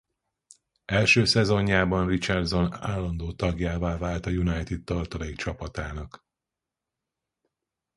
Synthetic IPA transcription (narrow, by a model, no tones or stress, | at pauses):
ɛlʃøːsɛzo̞ɲːaːbɒnrit͡ʃɛrd̪zo̞naːlːɒnd̪oːt̪ɒɡjaːvaːvaːlt̪ɒjunajt̪it̪̚t̪ːɒrt̪ɒleːkt͡ʃɒpɒt̪aːnɒk